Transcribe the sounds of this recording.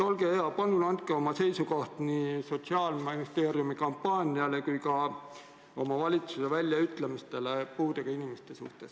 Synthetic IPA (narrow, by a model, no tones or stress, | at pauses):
o̞lɡe̞eɑpɑnːulɑnt̪̚keo̞mɑse̞jsuko̞ht̪niso̞t̪siɑːlminist̪e̞ːɾijumikɑmpːɑːnʲiɑle̞kujkɑ | o̞mɑvɑlʲit̪suse̞vælʲːjɑyt̪lemist̪e̞lepuːd̪eɡ̥ɑinimest̪e̞sṵht̪e̞s